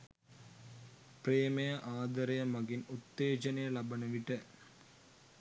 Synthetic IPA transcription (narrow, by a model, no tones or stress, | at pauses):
pɾeːmɐjɐʔaːd̪ɐɾɐjɐmɐɣɪnut̪ːeːt͡ʃɐnɐjɐlɐbɐnɐʋɪʈːɐ